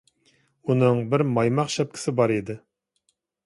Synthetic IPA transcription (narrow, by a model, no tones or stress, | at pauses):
unɨŋbɪɾmɑjmɑqʃɛp̚kʲʰɪ̥sɪbɑɾid̪ɪ